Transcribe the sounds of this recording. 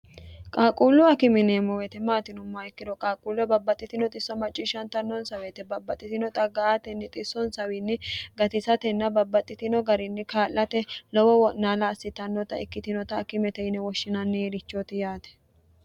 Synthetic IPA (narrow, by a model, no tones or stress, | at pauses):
kʼaːkʼulːʊɐkɪmɪneːmɔwɛt̪ɛmaːt̪ɪnʊmːɐɛkːɪd̪ɔkʼaːkʼulːʊɛbɐbːɐt̪ʼːɪt̪ɪnɔt̪ʼɪsːɔmɐt͡ʃʼːɪʃɐnt̪ɐnːɔnsɐwet̪ɛbɐbːɐt̪ʼːɪt̪ɪnɔt̪ʼɐɡɐat̪ɛnːɪt̪ʼɪsːɔnsɐwɪnːɪɡɐt̪ɪsɐt̪ɛnːɐbɐbːɐt̪ʼːɪt̪ɪnɔɡɐɾɪnːɪkaːlːɐt̪ɛlɔwɔwɔʔnaːlɐːsːɪt̪ːɐnːɔt̪ɐɪkːɪt̪ɪnɔt̪ɐːkɪmɛt̪ɛɪnɛwɔʃːɪnɐnːɛjɛɾɪt͡ʃːɔt̪ɪjaːt̪ɛ̥